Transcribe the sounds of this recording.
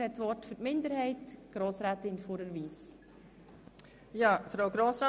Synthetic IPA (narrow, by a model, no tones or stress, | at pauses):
hɛtsʋɔtfʏtmɪndəɾhɛɪtɡ̥ɾoːsɾæːtɪnfoɾəɾʋiːs | jɑːfɾaʊɡɾoːsɾa